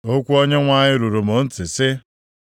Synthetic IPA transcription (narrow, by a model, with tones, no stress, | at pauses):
o˦kʷu˦o˦ɲe˦ŋʷa˦ɲɪ˦ɾu˨ɾu˨mo˨n̩˦tɪ˨sɪ˦